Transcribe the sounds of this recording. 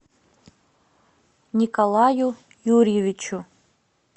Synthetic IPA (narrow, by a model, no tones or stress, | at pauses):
nʲikʼolˠaju | jurjevit͡ʃʰu